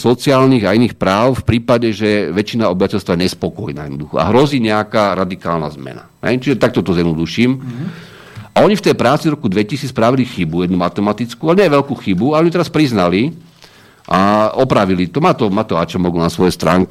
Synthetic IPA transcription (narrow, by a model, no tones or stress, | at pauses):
sɔt͡siaːlniːɣainiːxpɾaːʊfpɾiːpaɟɛʒɛʋɛt͡ʃinaɔbiʋacɛlst̪ʋajɛɲɛspɔkɔjnaːjɛd̪nɔd̪uxɔa̰ɦɾɔziːɲɛakaːɾad̪ikaːlna̰zmɛ̰na̰ɦɛ̰jt͡ʃiʒɛt̪ak̚t̪ɔt̪ɔzjɛd̪nɔd̪uʃiːm | ʔaɔɲift̪ɛjpɾaːt͡sid̪ɔɾɔkud̪ʋɛcisiːt͡sspɾaʋilixibujɛd̪numat̪ɛmat̪it͡skuːalɛɲɛʋɛʎkuːxibuaɔɲit̪ɛɾaspɾiznali | ʔaɔpɾaʋilit̪ɔmaːt̪ɔmaːt̪ɔat͡ʃɔmɔɡnasʋɔjɛst̪ɾa̰ːŋk